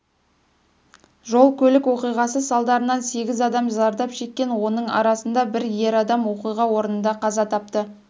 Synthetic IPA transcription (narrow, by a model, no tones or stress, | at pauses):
ʒo̞lˠkʲʰɵlɪkwo̞qijʁɑsəsɑlˠd̪ɑɾənɑnse̞ɡʲɪzɑd̪ɑmzɑɾd̪ɑpʃe̞kʲːe̞nwo̞nəɴɑ̰ɾɑsənd̪ɑbɪɾje̞ɾɑd̪ɑmwo̞qijʁɑwo̞ɾənənd̪ɑqʰɑzɑt̪ʰɑp̚t̪ə